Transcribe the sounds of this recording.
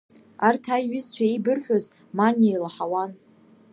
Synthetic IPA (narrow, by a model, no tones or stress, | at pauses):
artʰajɥɪzt͡ʃʷʰaibɨrħʷᶣoz | manejlaħawan